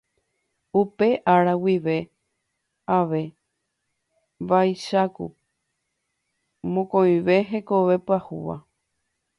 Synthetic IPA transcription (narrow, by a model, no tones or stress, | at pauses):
upe̞ʔaɾawiʋe̞ | aʋe̞ | βajʃakṵ | mõkõj̃ʋe̞ɦe̞ko̞ʋe̞pɨahuʋa̰